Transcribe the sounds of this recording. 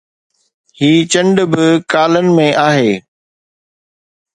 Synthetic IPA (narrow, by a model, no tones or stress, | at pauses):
hiːt͡ɕɐ̃ɳɖbɪkaːlənɪ̆mẽʔaːɦeː